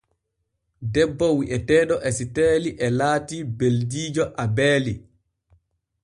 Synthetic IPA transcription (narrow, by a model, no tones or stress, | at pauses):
dɛbːɔwiʔɛtɛːɗɔʔɛsitɛːliʔɛlaːtiːbeldiːd͡ʒɔʔabɛːli